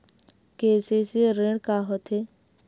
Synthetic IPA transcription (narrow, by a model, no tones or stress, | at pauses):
keːseseɾeɽkaɦot̪ʰe